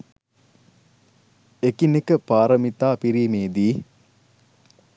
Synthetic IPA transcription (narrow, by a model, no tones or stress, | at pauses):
ekinekəpaːɾəmit̪aːpiɾiːmeːd̪iː